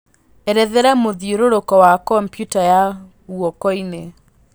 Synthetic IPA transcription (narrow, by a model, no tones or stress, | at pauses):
ɛɾɛðɛɾamoðioɾoɾokɔwakɔmpjutaja | ɣuɔkɔine